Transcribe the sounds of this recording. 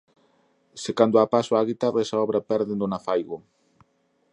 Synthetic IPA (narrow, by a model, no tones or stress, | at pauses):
sekand̪ʊapasʊaɣit̪aresaɔβɾɐpɛɾðend̪ʊnafajɣo